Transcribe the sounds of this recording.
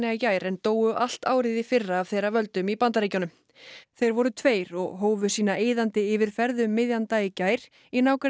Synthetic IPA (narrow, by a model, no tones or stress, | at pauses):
ɛacaːjɾɛnt̪oːwʏʔal̥t̪aːwɾɪðɪfɪrːaːv̥θejɾavœlt̪ʏmipant̪aɾeːjcanʏm | θejɾvɔɾʏt̪ʰveːjɾɔ̰ɣɦoːwvʏsiːnaeːjðant̪ɪɪvɪɾ̥fɛɾðʏmːɪðjant̪ajɪcaːjɾ̥ | inaːwkaɾ